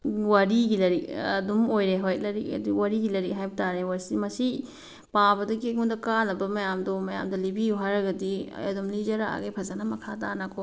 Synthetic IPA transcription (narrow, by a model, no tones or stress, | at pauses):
waɾiɡilɐɾiɐ̰dumojɾeɦojlɐɾikɐ̰duwaɾiɡilɐɾik̚ɦajbɐtaɾewaɾsimɐsi | pabɐdɐkiɡundɐkanɐbɐmɐjamdomɐja̰mdɐlibijuɦajɾɐɡɐdḭɐ̰dumlid͡ʒɐɾa̰a̰ɡejpʰɐzanɐmɐkʰatanɐkʰo